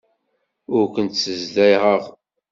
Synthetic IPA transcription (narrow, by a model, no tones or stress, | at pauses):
ʊɾkʷənt̪səzlæjʁəʁ